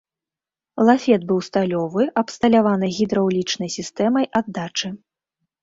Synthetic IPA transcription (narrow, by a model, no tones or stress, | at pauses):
lˠafʲɛd̪̚bɨwst̪alʲɔvɨʔɐpst̪ɐlʲavanɨɣʲid̪ɾɐwlʲit͡ʂnɐjsʲist̪ɛmɐjʔad̪ːat͡ʂɨ